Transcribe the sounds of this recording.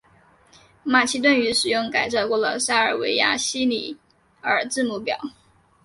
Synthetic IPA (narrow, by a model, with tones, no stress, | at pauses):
ma˨˩t͡ɕʰi˥t̪wə˥˩ny˧˥ʂɻ̩˨˩jʊ˥˩ŋka˨˩ɪʂɑ˥˧ʊkwɔ˥˩lə̰˩sa˥˩ə˞˨˩we˧˥ɪja̰˥ɕi˥ni˨˩ | ə˞˨˩t͡sɹ̩˥˧mu˧˥˩pjɑ̰˨˩˦ʊ